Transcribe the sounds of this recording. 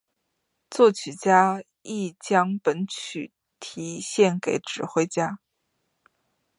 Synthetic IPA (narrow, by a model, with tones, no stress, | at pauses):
t͡swɔ˥˩t͡ɕʰy˨˩t͡ɕja˥ | i˥˩t͡ɕjɑ˥ŋpə˧˥nt͡ɕʰy˨˩ | t̪ʰi˧˥ɕjɛ˥˩nke˧˩˥ɪʈ͡ʂɻ̩˨˩xwe˥ɪt͡ɕja˥